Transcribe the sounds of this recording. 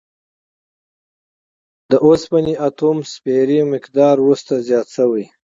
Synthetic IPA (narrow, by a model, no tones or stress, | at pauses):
d̪əʔospaniat̪umspeɾiamɪkd̪ɑɾwust̪azjɑːt̪səwəj